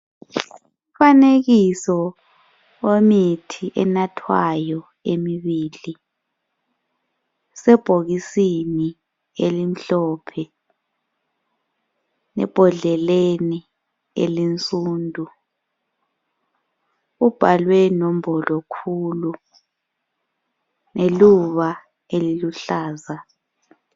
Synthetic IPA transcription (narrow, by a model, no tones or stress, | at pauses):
uumfaneɣisɔ | wemitʰiʔɛnatʰwajɔ | emiβiːli | sɛb̥ʱoɣisini | elim̩ɬɔːpʰɛ | nɛ̰b̥ʱɔɮɛleni | ḛlint͡sʼuːndʱu | ub̥ʱalwɛnom̩bʱɔlɔkʰuːlu | neluβa | eliluɬaːza